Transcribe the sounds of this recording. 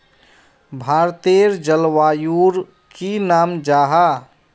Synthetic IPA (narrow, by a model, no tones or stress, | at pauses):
bʱaːɾt̪eːɾd͡ʒəlwaːjuːɾ | kinaːmd͡ʒaːɦa